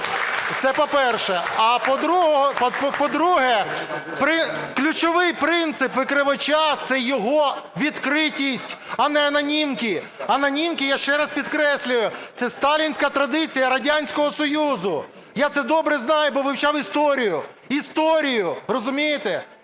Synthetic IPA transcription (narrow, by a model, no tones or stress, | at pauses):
t̪sɛpɔpɛrʃɛɐpɔd̪ɾuɦɔppɔd̪ɾuɦɛ | pɾɪklʲʊt͡ʃɔʋɪjpɾɪnt̪sɪpʋɪkɾɪʋɐt͡ʃat̪sɛjɔɦɔʋʲid̪kɾɪtʲisʲtʲɐnɛɐnɐnʲimkʲi | ɐnɐnʲimkʲijaʃt͡ʃɛɾɐspʲid̪kɾɛsʲlʲʊjʊt̪sɛst̪ɑlʲinʲsʲkɐt̪ɾɐd̪ɪt͡sʲijɐɾɐdʲanʲsʲkɔɦɔsɔjuzʊ | jat̪sɛd̪ɔbɾɛznɑjʊbɔʋɪwt͡ʃɑwist̪ɔɾʲijʊ | ist̪ɔɾʲijʊɾɔzʊmʲijet̪ɛ